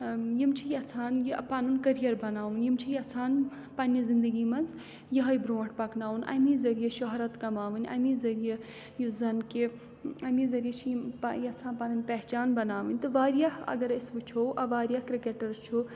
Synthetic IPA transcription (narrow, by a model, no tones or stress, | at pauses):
jimt͡ʃʰijɐt͡sʰaːnjipanunkɐɾijɐɾbɐnaːʋunjimt͡ʃʰijɐt͡sʰaːn | pɐnjɐzind̪əɡiːmɐnz | jɐɦɐjbɾoːʈʰpɐknaːunɐ̰mizɐɾijɐʃɔɦɾɐt̪kɐmaːʋɨnʲɐ̰mizɐɾije | juzɐnke | ɐmizɐɾijɐt͡ʃʰijpjɐt͡sʰaːnpanɨnʲpɛɦt͡ʃaːnbɐnaːʋɨnʲt̪ɨʋaːɾijaɦɐ̰ɡɐɾɐsbɨt͡ʃʰoʔɐʋaːɾjahkɾikeːʈɐɾt͡ʃʰu